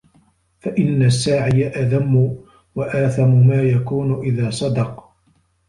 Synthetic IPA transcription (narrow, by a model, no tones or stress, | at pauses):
faʔɪnːasːaːʕɪjaʔaðamːʊ | waʔaːθamʊmaːjakuːnʊʔɪðaːsˤɑd̪ɑq